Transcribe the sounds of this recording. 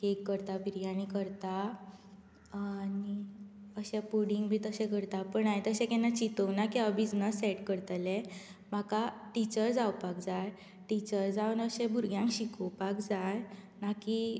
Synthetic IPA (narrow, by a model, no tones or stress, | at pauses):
kekːəɾt̪abiɾijañikəɾt̪a | aniəɕɛ̃puɽiŋɡbʱiːt̪əɕɛ̃kəɾt̪apəɳajet̪əɕɛ̃kɛnat͡ɕit̪əwnakiabid͡znəsːɛʈkəɾt̪lɛ̃ | m̤akaʈit͡ɕəɾd͡zawpak̚d͡zaj | ʈit͡ɕəɾd͡zaʋənəɕɛ̃bʱuɾɡjãŋkɕikəwpakd͡zaj | naki